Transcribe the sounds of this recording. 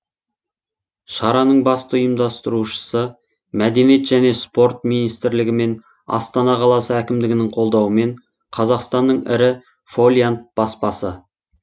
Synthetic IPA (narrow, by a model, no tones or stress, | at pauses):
ʃɑɾɑnəɴbɑst̪əjəmd̪ɑst̪əɾuʃə̥sə | mæd̪e̞nije̞t̪ʒ̥æne̞spo̞ɾt̪̚minijst̪ɪɾlɪɡʲɪme̞n | ɑ̰st̪ɑnɑqʰɑlˠɑsəækʲɪmd̪ɪɡʲɪnɪɴqʰo̞lˠd̪ɑwəme̞ɴ | qʰɑzɑqst̪ɑnːəɴɪ̰ɾɪ | folʲijant̪̚b̥ɑspɑsə